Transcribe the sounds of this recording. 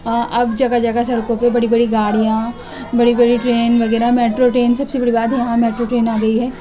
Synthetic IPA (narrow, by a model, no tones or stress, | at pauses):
ʔɐbd͡ʒɐɡad͡ʒɐɡasɐɽkõpebɐɽibɐɽiɡaːɽijã | bɐɽibɐɽiʈɾeːnʋɐɣɛːɾamɛːʈɾoʈɾeːnsɐbsebɐɽibaːd̪ɦɛ̃jɐɦãmɛːʈɾoʈɾeːnaːɡɐiɦɛː